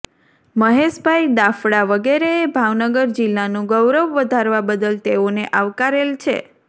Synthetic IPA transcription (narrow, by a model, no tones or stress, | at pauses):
məɦeʃbʱaid̪afɽaʋəɡeɾeːbʱaʋnəɡəɾd͡ʒɪlːanũɡəwɾəʋːəd̪ʱaɾʋabəd̪əlt̪eoneʔaʋkaɾelt͡ʃʰḛ